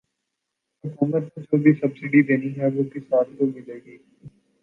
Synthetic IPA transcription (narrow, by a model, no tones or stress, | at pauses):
ɐkuːməɾt̪od͡ʒobʱisɐbsɪɖid̪eːniɦɛʋoːkisaːɾt̪omɪleːɡiː